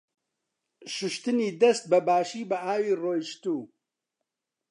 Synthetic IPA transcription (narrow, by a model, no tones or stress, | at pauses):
ʃʊʃt̪ɨniːd̪ɐst̪̚bɐbaːʃiːbɐʔaːwiːroːjʃt̪uː